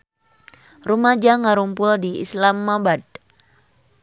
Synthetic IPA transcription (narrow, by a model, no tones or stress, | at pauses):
rumad͡ʒaŋaɾumpʊldiḭslamːabad̪̚